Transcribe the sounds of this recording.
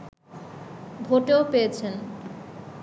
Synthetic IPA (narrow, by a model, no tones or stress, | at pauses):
bʱoʈeopejet͡ɕʰen